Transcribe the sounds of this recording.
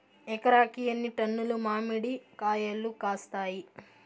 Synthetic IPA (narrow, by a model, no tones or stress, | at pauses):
ɛkɐɾaːkijɐnːiʈɐnːulumaːmiɽikaːjɐlːukaːst̪aːji